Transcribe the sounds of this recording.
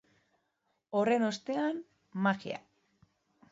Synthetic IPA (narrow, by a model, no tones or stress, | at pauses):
o̞re̞no̞st̪e̞an | maxia̰